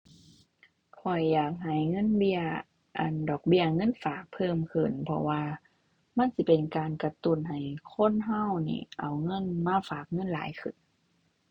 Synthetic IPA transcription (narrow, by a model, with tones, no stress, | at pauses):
kʰɔ˨˩jːaː˨˩k̚ɦa˨˩jŋɤ˧˥˨nbi˧ɐ | ʔa̰˨˩ndɔː˨˩k̚bi˧˩ɐŋɤ˧˥˨nfaː˨˩k̚pʰːɤː˧˨mkʰɯ˨˩npʰɔ̰˧waː˧ | ma˧˥˨nsi˧˦pe˨˩nkaː˨nka˧t̪u˧˩˨nha˨˩jkʰo˧˥˨nɦa˧˥˩wnḭː˧˩ʔa˨˩wŋɤ˧˥˨nmaː˧˥˨faː˨˩k̚ŋɤ˧˥˨nlaː˨˦jkʰɯ˨˧˩n